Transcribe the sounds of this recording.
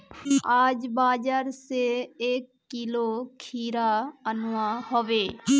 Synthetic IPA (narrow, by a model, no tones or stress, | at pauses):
aːd͡ʒbaːd͡ʒaːɾseeːkːiloːkʰiːɾaənʊahoʋeː